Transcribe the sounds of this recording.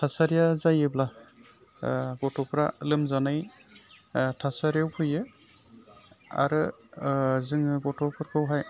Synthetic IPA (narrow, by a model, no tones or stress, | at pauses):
tʰasaɾijazajɯbla | ɡɔtʰɔpʰɾalɯmzanaj | tʰasaɾijawpʰɯjɯ | a̰ɾɯ | zɯŋɯɡɔtʰɔpʰɯɾkʰɯwɦaj